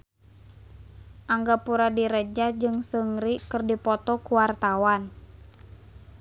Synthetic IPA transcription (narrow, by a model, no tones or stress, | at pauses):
ʔaŋɡapuɾadiɾəd͡ʒad͡ʒɨŋsəŋɾikɨrdipɔt̪ɔkuwart̪awan